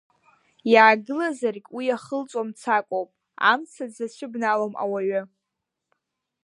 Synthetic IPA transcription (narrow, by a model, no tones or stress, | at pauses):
jaːɡɨlazarkʲʼwijaχəlt͡sʷʼwamt͡sʰakʷʼowpʼ | a̰mt͡sʰad͡zat͡ɕʷʰɨbnaloma̰waɥa